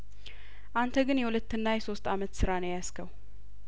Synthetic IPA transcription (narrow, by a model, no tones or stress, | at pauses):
ʔant̪ʰəɡɨnjɛwulət̪ːɨnːajɛso̞st̪amət̪sɨɾanəwjaskʰəw